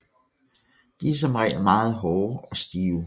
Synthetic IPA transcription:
d̥is̬ɒ̽mʁɛ̰ːlmɑ̈ːð̞̩ˠɦɒʊɒ̽sd̥iːʊ

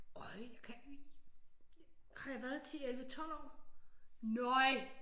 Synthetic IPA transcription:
ɒɪjakʰæ | hɑ̈jʋæɐðˠt͡sʰḭelʋət͡sʰɒ̽l̰ɒ̰ː | nɒɪ

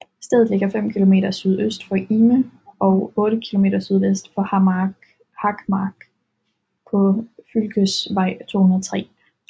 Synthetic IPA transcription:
sd̥eð̩ˠle̝ɡ̥ɐfem̰kʰilo̝me̝̰ːdɾɐsyð̞ˠøsd̥fɒʔiməʔɒ̽ʊɔ̽ːɾəkʰilo̝me̝̰ːd̥ɐsyð̞ˠʋesd̥fɒ̽hɑ | hɑ̈ɡ̥mɑːɡ̥ | pʰɒ̽fylɡ̥əsʋɑ̈ɪ̰t͡sʰo̝̰ːhunɐðˠt͡sʰʁɛ̰ː

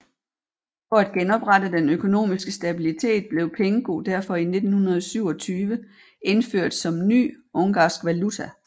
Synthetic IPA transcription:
fɒ̽æd̥ɡ̥enɒ̽b̥ʁɑdəd̥enøkʰo̝no̝̰ːmisɡ̥əsd̥æb̥ilit͡sʰe̝̰ːd̥̚b̥le̝ʊpʰeŋəɡ̥o̝̰ːd̥æɐfɒ̽ine̝d̥n̩hunɐð̞̩ˠsyʊ̰ɒt͡sʰyːʋə | ʔe̝nføɐ̰d̥sɒ̽mny̰ːɔ̽ŋɡ̥ɑ̰̈ːsɡ̥ʋælut͡sʰæ

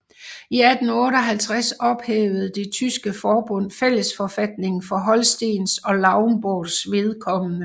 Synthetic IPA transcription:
iæd̥n̩ɔ̽ːɾəɒ̽ɦælt͡sʰʁasɒ̽b̥heːʊð̞̩ˠd̥e̝t͡sʰysɡ̥əfɒːb̥ɔ̽n̰fel̰əsfɒ̽fæd̥ne̝ŋn̩fɒ̽ɦɒ̽lsd̥e̝̰ːnsɒ̽lɑ̈ʊnb̥oðsʋe̝ð̞ˠkʰɒ̽mənə

